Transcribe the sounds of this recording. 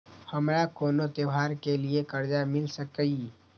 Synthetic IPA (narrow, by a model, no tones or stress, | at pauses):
hɐmɾakoːnot̪ewaːɾkeliekɐɾd͡ʒamɪlsɐkəi